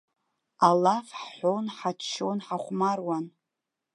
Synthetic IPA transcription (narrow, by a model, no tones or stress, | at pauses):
alafħħonħat͡ʃʰʃonħaχʷmarwan